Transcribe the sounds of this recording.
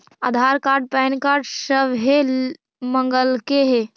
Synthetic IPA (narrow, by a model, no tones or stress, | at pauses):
əd̪ʱaɾkaɾɖ̚pɛːnkaːɾɖsəbɦe | məŋɡəlkeɦe